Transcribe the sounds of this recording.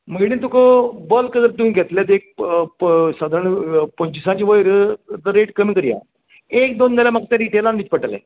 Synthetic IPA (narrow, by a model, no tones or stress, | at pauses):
məɡɽĩt̪ukəbəlkəd̪əɾt̪umĩɡʱet̪let̪eːk̚ | sad̪ʱəɳpə̃ɲt͡ɕisãt͡ɕiʋəiɾd̪əɾeːʈkəmĩːkəɾija̰ː | eːk̚d̪onːəlamɐkt̪ẽɾiːʈelanʋit͡ɕpəʈəlḛ